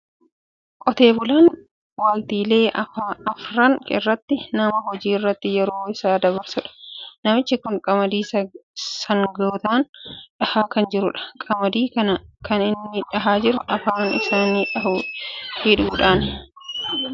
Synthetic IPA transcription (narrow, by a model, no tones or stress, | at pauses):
kʼɔt̪e̞ːbʊlaːn | waːlt̪iːle̞ːʔɐfaɐfɾɐŋkɪ̰rːɐt̪ːɪnɐmɐɦɔd͡ʒiːɪrːɐt̪ːɪjɛɾo̞ːɪsaːd̪ɐβɐɾsʊᶑɐ̥nɐmɪt͡ʃːɪkʊŋkʼɐmɐd̪iːssɐŋɡoːt̪aːnᶑɐhaːkɐnd͡ʒɪɾʊᶑɐ̥kʼɐmɐd̪iːkɐnɐkɐnɪnːɪᶑɐɦaːd͡ʒɪɾʊʔɐfaːnɪ̰saːniːᶑɐɦuːhɪᶑuːᶑaːn